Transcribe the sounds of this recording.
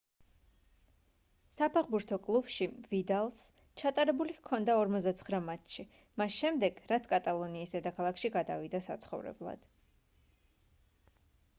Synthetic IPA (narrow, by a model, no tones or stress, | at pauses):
sapʰɛʁbuɾt̪ʰɔkʼlˠub̥ʃivid̪alˠs | t͡ʃʰat̪ʼaɾɛbulikʰɔnd̪aɔɾmɔzd̪at̪sʰχɾamat̪ʃi | masʃɛmd̪ɛɡ̥ɾat̪sʰkʼat̪ʼalˠɔniːsɛd̪akʰalˠakʃiɡad̪a̰vid̪asa̰t̪sʰχɔ̰vɾɛ̰blˠa̰d̪̥